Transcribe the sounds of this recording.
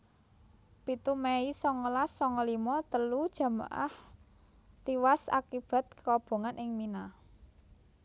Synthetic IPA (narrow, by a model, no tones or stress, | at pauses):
pit̪umɛisɔŋəlasːɔŋɔlimɔt̪əlud̥ʒ̥a̤ma̰ʔa̰h | t̪iwasa̰kib̥a̤t̪̚kə̥kɔb̥o̤ŋanʔɪŋmina